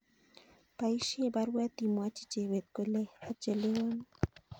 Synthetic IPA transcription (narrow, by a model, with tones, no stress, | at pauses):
pa˨i˦ʃi˦e˦baɾwa˦t̪i˨mwa˦t͡ʃi̥˦t͡ʃe˨we˨t̪̚ko˨le˦hat͡ʃe˨le˦o˦n